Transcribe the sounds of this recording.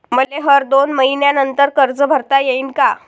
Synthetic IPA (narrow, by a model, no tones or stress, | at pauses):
məleɦəɾd̪onməɦinjanənt̪əɾkəɾd͡zəbʱəɾt̪ajeiːnka